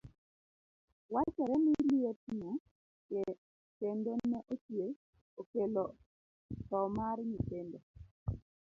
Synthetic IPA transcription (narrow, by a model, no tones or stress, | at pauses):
wat͡ʃɛɾɛmiliotɲo | ke | tendonɛʔot͡ʃje | okelɔ | tɔmaɾɲitendo